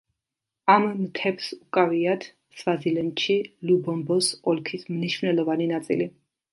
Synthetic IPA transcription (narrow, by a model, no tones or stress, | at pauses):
amːt̪ʰɛpsukʼaviat̪ʰ | svazilɛnt̪ʃilubɔmbɔsɔlkʰismniʃvnɛlˠɔvaninat̪sʼḭli